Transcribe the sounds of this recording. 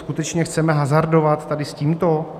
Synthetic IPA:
skut̪ɛt͡ʃɲɛxt͡sɛmɛɦazaɾdo̞vat̪ːadɪsciːmt̪o̞

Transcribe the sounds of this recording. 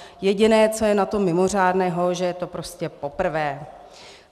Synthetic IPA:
jɛɟɪnɛːt͡so̞jɛnat̪o̞mːɪmo̞r̝aːdnɛːɦo̞ʒɛjɛt̪o̞pɾo̞scɛpopr̩vɛː

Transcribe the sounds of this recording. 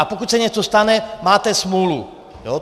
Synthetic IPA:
apokucʲsɛɲɛt͡sost̪anɛmaːt̪ɛsmulu | joː

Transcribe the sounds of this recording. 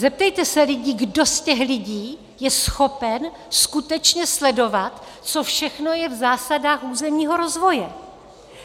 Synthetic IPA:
zɛp̚t̪ɛjt̪ɛsɛlɪɟiːɡdo̞scɛxlɪɟiː | jɛsxo̞pɛn | skut̪ɛt͡ʃɲɛslɛdo̞vat̪ | t͡so̞fʃɛxno̞jɛvzaːsadaːxuːzɛmɲiːɦo̞ɾo̞zvo̞jɛ

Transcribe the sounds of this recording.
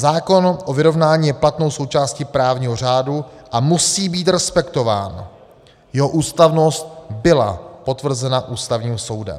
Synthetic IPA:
zaːko̞nʔovɪɾo̞vnaːɲiːjɛplat̪no̞wso̞wt͡ʃaːscɪpɾaːvɲiːɦo̞r̝aːduʔamusiːbiːt̪ɾɛspɛkt̪o̞va̰ːn | jɛɦo̞ʔuːst̪avno̞st̪̚bɪla̰po̞t̪vr̩zɛnaʔuːst̪avɲiːmso̞wdɛ̰m

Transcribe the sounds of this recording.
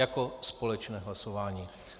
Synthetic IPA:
akospolɛt͡ʃnɛːɦlasovaːɲiː

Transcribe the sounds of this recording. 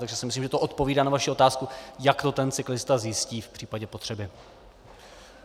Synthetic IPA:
t̪aɡʒɛsɪmɪslimʒɛt̪oʔo̞t̪po̞viːdaːnavaʃiʔo̞t̪aːskujakt̪o̞t̪ɛnt͡sɪklɪst̪azjɪsciːfpr̝̥iːpaɟɛpo̞t̪r̝̥ɛbɪ

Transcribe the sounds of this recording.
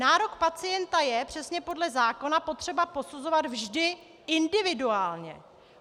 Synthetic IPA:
naːɾo̞kpat͡sɪjɛnt̪ajɛpr̝̥ɛsɲɛpo̞dlɛzaːko̞napo̞t̪r̝̥ɛbapo̞suzo̞vad̪vʒdɪ | ɪndɪvɪduaːlɲɛ̰

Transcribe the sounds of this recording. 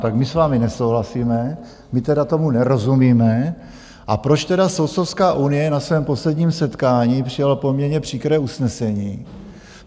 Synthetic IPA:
t̪akmɪsvaːmɪnɛso̞wɦlasiːmɛ | mɪt̪ɛdat̪o̞munɛɾo̞zumiːmɛ | ʔapɾo̞t͡ʃt̪ɛdasow̪sofskaːʔunɪjɛnasvɛːmpo̞slɛdɲiːmsɛt̪kaːɲiːpr̝̥ɪjalopo̞mɲɛɾɲɛpr̝̥iːkɾɛːʔusnɛsɛɲiː

